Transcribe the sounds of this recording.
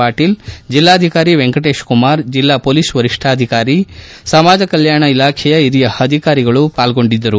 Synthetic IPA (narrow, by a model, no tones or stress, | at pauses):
aːʈiːld͡ʒilːaːd̪ʱikaːɾiʋeŋkɐʈe̞ːʃkumaːɾd͡ʒilːaːpoːliːsʋɐɾiʂʈʰaːd̪ʱikaːɾi | sɐmaːd͡ʒɐkɐljaːɳɐilaːkʰɛjɐiɾijɐɐd̪ʱikaːɾiɡɐɭupaːlɡo̞ɳɖid̪ːɐɾu